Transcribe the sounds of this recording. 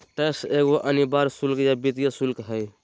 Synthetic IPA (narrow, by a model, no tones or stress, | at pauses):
t̪əseɡoʔənibaɾsulkjabit̪ijasulkɦəj